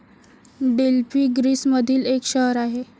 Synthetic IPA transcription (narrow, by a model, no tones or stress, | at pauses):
ɖelpiːɡɾiːsməd̪ʱiːlekɕəɦəɾaɦe